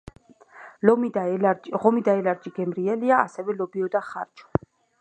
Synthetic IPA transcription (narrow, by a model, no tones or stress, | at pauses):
lɔmid̪aʁɔmid̪aɛlaɾd͡ʒiɡɛmɾiɛliaasɛvɛlɔbiɔd̪aχa̰ɾt͡ʃʰɔ̥